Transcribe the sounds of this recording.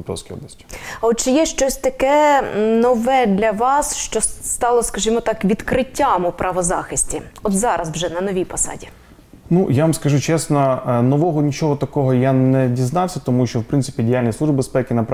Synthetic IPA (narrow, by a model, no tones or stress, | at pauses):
t̪ɔ̰wsʲkʲijɔ̰blˠɐsʲtʲi̥ɔt̪t͡ʃɪjɛʃt͡ʃɔsʲt̪ɐkɛnɔʋɛd̪lʲɐʋɑsʃt͡ʃɔst̪ɑlˠɔskɐʒimɔt̪ɑkʋʲid̪kɾɪtʲːamʊpɾɐʋɔzɑxɪsʲtʲiɔt̪zɑɾɐswʒɛnɐnɔʋʲijpɔsɑ̰dʲi | nujaʋamskɐʒut͡ʃɛsnɔnɔʋɔɦɔnʲit͡ʃɔɦɔt̪ɐkɔɦɔjanɛdʲiznɑwsʲɐt̪ɔmuʃt͡ʃɔwpɾɪntsɪ̥pʲidʲɪjalʲnʲislˠuʒbɪbespɛkʲɪnɐp